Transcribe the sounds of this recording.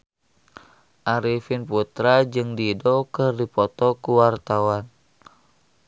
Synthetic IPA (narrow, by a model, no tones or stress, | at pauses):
ʔaɾifinput̪ɾad͡ʒɨŋdidɔkɨrdipɔt̪ɔkuwart̪awan